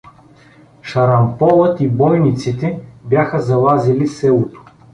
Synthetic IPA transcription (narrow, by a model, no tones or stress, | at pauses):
ʃɐɾɐmpɔlˠət̪ibɔjnit̪sit̪ɛbjaxəzɐlˠazilisɛlˠot̪o̥